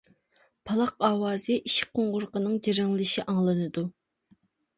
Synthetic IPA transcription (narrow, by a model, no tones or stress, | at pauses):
pʰɑlˠɑqɑːwɑːzɨʔiʃqʰoɴʁʊɾqənɨŋd͡ʒeɾɪŋllˠɪʃiʔɑŋlˠɨnɨd̪u